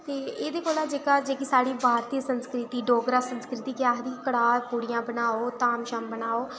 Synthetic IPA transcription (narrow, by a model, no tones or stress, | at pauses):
t̪eːeːd̪eːkoːlãːd͡ʒeːkaːd͡ʒeːkisaːɽiːbʱaːɾt̪iəsənskɾɪt̪iːɖoːɡɾaːsənskɾɪt̪iːkɪjaːɦd̪iːkəɽaːpuːɽijãːbənaːoːt̪aːmʃəmbənaːoː